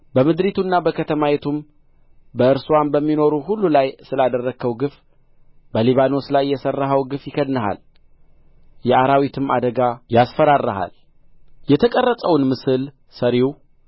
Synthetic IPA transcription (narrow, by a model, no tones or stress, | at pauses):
bəmɨd̪ɾit̪ʰunːabəkʰət̪ʰəmawet̪ʰum | bəɨɾsuwanbəmːino̞ɾuɦulːulajsɨlad̪ərːəɡʰəwɡɨf | bəliβano̞slajːɛsərːaɦəwɡɨfjɪkʰəd̪nəɦa̰l | jɛaɾawit̪ʰɨma̰d̪əɡajasfəɾarːəɦa̰l | jɛt̪ʰəkʼərːəsʼəwnmɨsɨl | səɾiw